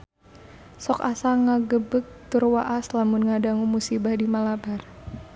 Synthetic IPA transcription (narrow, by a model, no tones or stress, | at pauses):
sɔkasaŋaɡəbək̚t̪urwaʔaslamunŋadaŋumusibahdimalabar